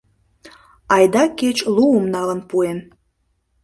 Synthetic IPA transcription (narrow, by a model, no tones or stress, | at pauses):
ɑjd̪ɑket͡ɕluəmnɑlənpuem